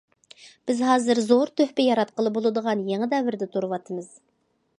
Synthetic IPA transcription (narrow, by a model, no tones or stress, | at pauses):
b̥ɪzɦɑːzɨɾzoɾt̪ʰøhpɪjɑɾɑt̪̚qəlˠɨbolˠɨd̪əʁɑnjeŋɨd̪ɛvɪɾd̪ɪt̪ʰuɾɨwɑt̪ʰəmɨz̥